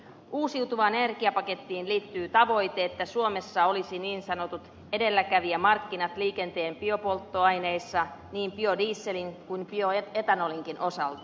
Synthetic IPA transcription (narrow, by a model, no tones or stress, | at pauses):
ʔuːsiwt̪uʋɑːnene̞rkiɑpɑke̞t̪ːiːnliːt̪ːyːt̪ɑʋo̞jt̪eet̪ːæsuome̞sːɑo̞lisiniːnsɑno̞t̪ut̪ | e̞de̞lːækæʋiæmɑrkːinɑt̪liːke̞nt̪e̞ːmpio̞po̞lt̪ːo̞ɑjnejsːɑniːmpio̞diːsːe̞liŋkujmpioet̪ænoliŋkinʔo̞sɑ̰lt̪ɑ̥